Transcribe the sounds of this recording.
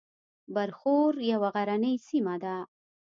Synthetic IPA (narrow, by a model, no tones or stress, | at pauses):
baɾxoɾjawaɣaɾanəjsimad̪a